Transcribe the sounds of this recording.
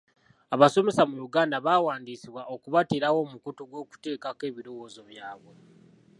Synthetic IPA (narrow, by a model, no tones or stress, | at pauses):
aβaso̞me̞samuɾuɡaːndaβaːwaːndiːsiβwaʔokuβatiɾawo̞ːmukutoɡwo̞ːku̥te̞ːkake̞ːβiɾo̞wo̞ːzo̞βjaːβwe̞